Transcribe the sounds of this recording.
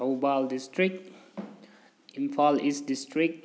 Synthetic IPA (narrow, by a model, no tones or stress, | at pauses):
obaldistɹik̚t | ĩnfalisdistɹik̚t